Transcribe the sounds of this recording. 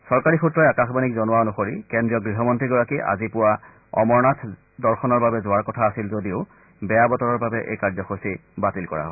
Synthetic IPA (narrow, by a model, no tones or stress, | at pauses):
sɔɹkaɹixutɹɔjakaxbanikzɔnʊaɔnoxoɹikendɹijɔɡɹiɦɔmɔntɹiɡɔɹakiʔa̰zipʊwa | ɔ̰mɔɹnatʰ | dɔɹxɔnɔɹbabɛzʊaɹkɔtʰaːsilzodiʊ | bɛjabɔtɔɹɔɹbabɛʔḛjkaɹzɔxosibatilkɔɹa̰ɦɔ